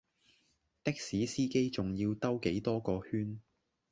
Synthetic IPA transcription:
t̪ɪ˥k̚siː˨˥siː˥ke˥jt͡sʊ˨ŋjiː˧wt̪ɐ˥wke˨˥jt̪ɔː˥kɔː˧hyː˥n

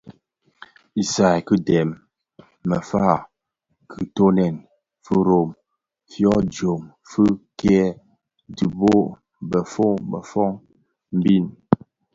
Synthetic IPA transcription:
i˨sa˨jkɨ˦dɛ˨mː | ə˨fa˦˨ | kʰɯ˨to˦nɛ˨n | fɨ˦ɾo˨m | fjɔ˦d͡ʒo˨m | fɨ˦kɛ˦ | di˨bo˦ | bə˨fo˦ŋbə̰˨fɔ˦ŋ | m̩˦bi˦˨n

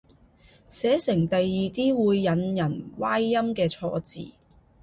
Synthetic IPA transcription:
sɛː˨˥sɪ˨˩ŋt̪ɐ˨jːiː˨t̪iː˥wuː˨˧jːɐ˨˧njɐ˨˩nwaː˥jːɐ˥mkɛː˧t͡sʰɔ̰ː˧t͡sḭː˨˩

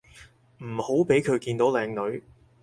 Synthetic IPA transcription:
m̩˨˩ho˨˥wpe˨˥jkʰɵ˨˧ɥkiː˧nt̪o˨˥wlɛː˧ŋnɵ˨˧ɥ

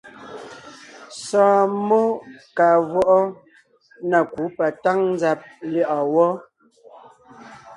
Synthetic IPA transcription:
sɔ̃ː˨mo˦ka˨vɔ˦ʔɔ˦ | na˨ku˨˦pa˨ta˦ŋn˦d͡za˨p̚li˦ʔɔ˨wɔ˦

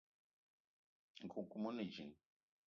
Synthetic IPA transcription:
ŋ̩˨kʰu˨ku˦mo˦nə˨d͡ʒḭ˨ŋ

